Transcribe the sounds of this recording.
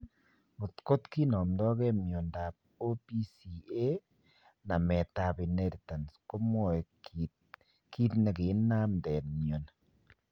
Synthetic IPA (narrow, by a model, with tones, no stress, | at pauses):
o˨tko˦tki˦nɔ˨mdɔ˦kɛ˦mjo˨nda˨p̚ | o˦pi˦si˨e˦ | na˨mɛ˨ta˨pi˨ne˦di˨ta˨nsko˦mwɔ˦˨ɛ˨ | ki˦t̪ne˨kɪ˨˦nnːa˦mdɛ˨nmjo˨n